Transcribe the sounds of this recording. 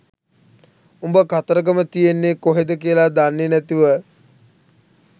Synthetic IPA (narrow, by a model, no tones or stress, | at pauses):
umbəkat̪əɾəɡ̬əmət̪ijenːekoɦed̪əkijəlad̪anːenæt̪iʋə